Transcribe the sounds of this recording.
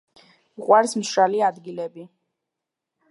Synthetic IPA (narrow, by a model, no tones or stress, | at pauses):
uqʼwaɾsmʃɾaliad̪ɡilɛbi